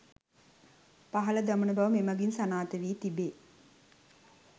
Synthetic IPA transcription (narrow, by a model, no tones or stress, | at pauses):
paɦɐləd̪amunəbaʋəmemɐɡinsanaːt̪əʋiːt̪ibeː